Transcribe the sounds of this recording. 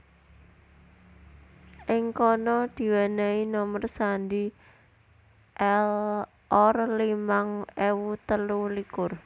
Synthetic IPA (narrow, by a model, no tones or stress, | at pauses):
ʔɪŋkɔnɔd̪̥i̤wanainɔmərsandi | ʔɛl | ɔrlimaŋɛwut̪əlulikʊr